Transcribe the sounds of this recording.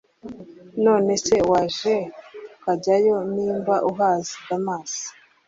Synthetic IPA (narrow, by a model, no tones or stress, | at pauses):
no̞ːne̞se̞waːʒeukaɟajo̞niːmbaʔuɦaːzidamaːzi̥